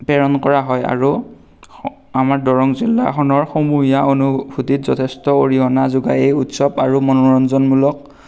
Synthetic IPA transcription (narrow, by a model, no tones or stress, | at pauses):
pɛɹɔnkɔɹaɦɔja̰ɹu | amaɹdɔɹɔŋzilːa̰xʰɔnɔɹxomuɦijaonubʱutitzɔtʰɛstɔoɹiɔnazuɡa̰ejutsɔbaɹumɔnɔɹɔnzɔnmulɔk̚